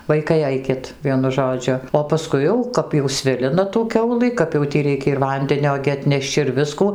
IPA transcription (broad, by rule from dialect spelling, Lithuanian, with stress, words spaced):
ˈʋɐɪkɐɪ ˈɐɪkʲɪt ˈʋʲiɛnʊ ˈʒoːd͡ʒʲʊ oː pɐˈskʊɪ jɛʊ ˈkɐp jɛʊ ˈsʲʋʲɪlʲɪnɐ tuː ˈkʲɛʊlˠɨ kɐp jɛʊ ˈtʲiː ˈrʲɛɪkʲɛ ɪr ˈʋɐnʲdʲɛnʲoː ɡʲɪ ɐtʲˈnʲɛʃʲt͡ʃʲ ɪr ˈʋʲɪskuː